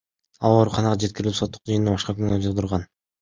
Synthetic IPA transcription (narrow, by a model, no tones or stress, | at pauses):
ɑlˠo̞ɾuqʰɑnɑʁɑd͡ʒet̪̚kʲiɾilipso̞t̪ːuqd͡ʒɯjɯnɯbɑʃqɑkynɡd͡ʒɯʁˠd̪uɾʁɑn